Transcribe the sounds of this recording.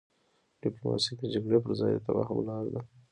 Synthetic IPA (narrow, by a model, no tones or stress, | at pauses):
ɖ̥iplomɑ̰sikd̪əd͡ʒaɡɽepəɾzɑjd̪ət̪awa̰xʊ̰blɑɾd̪a